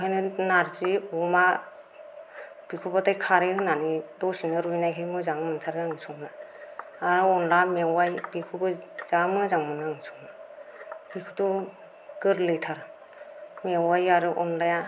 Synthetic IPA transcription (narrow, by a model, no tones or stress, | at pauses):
kʰajnɯnaɾziɔma | b̥ikʰubatajkʰaɾɯɯnanidɔsinɯɾujnajkʰɯjmɯzaŋmɯntʰaɾɡaŋisʰɔŋna | aɾɯɔnlamewajbikʰubɯz̥amɯzaŋmɯnɯŋsʰɔŋna | b̥ikʰutɔ | ɡɯɾlɯjtʰaɾ | mewajaɾɯʔɔnlaja